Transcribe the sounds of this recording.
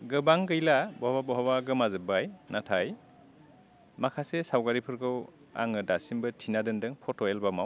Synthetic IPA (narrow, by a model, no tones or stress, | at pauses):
ɡɯbaŋkɯjlabɔhababɔɦabaɡɯmazɯbajnatʰaj | makʰasesawɡaɾipʰɯɾkʰɯw | a̰ŋɯdasimbɯtʰinadɯndɯŋpʰɔtɔelbamaw